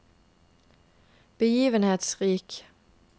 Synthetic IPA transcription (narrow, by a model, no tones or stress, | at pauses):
b̥əjiːʋənheːt̪sʁiːk